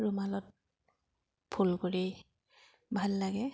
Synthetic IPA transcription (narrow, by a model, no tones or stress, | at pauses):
ɹumalɔt̚ | pʰulkoɹi | bʱalːaɡɛ